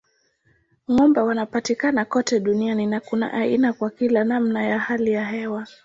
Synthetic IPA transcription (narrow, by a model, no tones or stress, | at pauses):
ŋɔmbɛwanapatikanakɔtɛɗunianinakuna̰ʔainakwakilanamnajahalijaɦɛwa